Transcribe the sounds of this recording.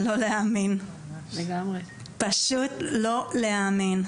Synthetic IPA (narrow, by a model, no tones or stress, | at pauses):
loleamin | leɡamʁe | paʃut̪lo̞leamin